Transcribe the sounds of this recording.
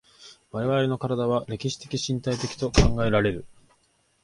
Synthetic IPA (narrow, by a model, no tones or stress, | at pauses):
βaɾe̞βaɾʲino̞kaɾad̪aβ̞aɾe̞kʲiɕi̥t̪e̞kʲiɕĩnt̪ait̪e̞kʲi̥t̪o̞kʰãŋɡae̞ɾaɾe̞ɾɯ̟